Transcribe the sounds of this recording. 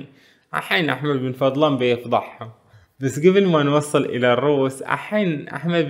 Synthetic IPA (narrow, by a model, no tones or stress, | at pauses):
ʕa̰ħaːnʔa̰ħmabːɪnfɑd̪ˤlɑːmbejfd̪ˤɑħːɑ | basːɡɪbɪlmanwɑsˤːɨlʔɪ̰larˤːuːsʕa̰ħaːnʔa̰ħmab